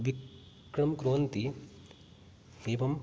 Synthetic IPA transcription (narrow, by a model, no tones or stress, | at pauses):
ʋi | kɾɐmkɾuɦɐnt̪i | eːʋɐm